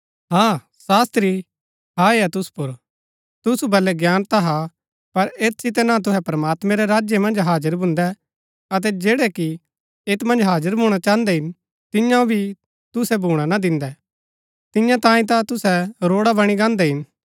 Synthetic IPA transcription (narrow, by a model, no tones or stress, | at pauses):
ɦãː | saːst̪ɾi | ɦaeɛt̪ʊsu̥pʊɾ | t̪ʊsubɐlɛɡjaːnt̪aɦa | pɐɾeːt̪sɪt̪ɛnat̪̬ʊɦɛpɾɐmaːt̪mɛ̃ɾɛɾaːd͡ʒjemɐ̃nd͡ʒɦaːd͡ʒəɾbʱʊ̃nd̪ɛ | ɐt̪̬ɛd͡ʒeːɽɛki | eːt̪mɐ̃nd͡ʒɦaːd͡ʒəɾbʱũːɽ̃at͡ʃaːənd̪ɛɦɪn | t̪ɪjãõbʱi | t̪ʊsɛbʱuːɽ̃anad̪ɪ̃nd̪ɛ | t̪ɪ̃jãt̪ãːĩt̪̬at̪ʊsɛɾoːɽabɐɽ̃iɡãːnd̪ɛɦɪn